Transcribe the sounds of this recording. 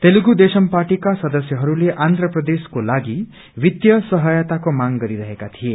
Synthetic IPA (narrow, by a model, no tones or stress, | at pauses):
t̪eluɡud̪esʌmpaʈikasʌd̪ʌsjʌɦʌɾuleʔand̪ʱrʌprʌd̪eskolaɡi | wit̪jʌsʌɦʌjat̪akomaŋɡʌɾiɾʌɦekat̪ʰije